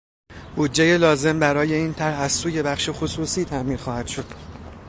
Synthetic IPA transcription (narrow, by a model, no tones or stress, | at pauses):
b̥ud͡ʒːeje̞lɒːze̞mbæɾɒːje̞iːnt̪ʰæɾhæzsuːje̞bæχʃexosuːsiːt̪ʰæʔmiːnxɒːhæd̪̥ʃo̞d̪̥